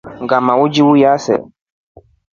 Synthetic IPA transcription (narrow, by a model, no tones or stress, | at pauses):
ŋɡamawud͡ʒiwujasɛ̰